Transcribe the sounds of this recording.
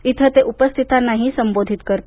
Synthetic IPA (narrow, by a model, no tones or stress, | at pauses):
it̪ʰət̪eʔupəst̪ʰit̪anaɦisəmbod̪ʱit̪kəɾt̪